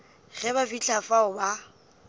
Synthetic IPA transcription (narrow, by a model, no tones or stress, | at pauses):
ɣɛbafit͡ɬʰafaʊba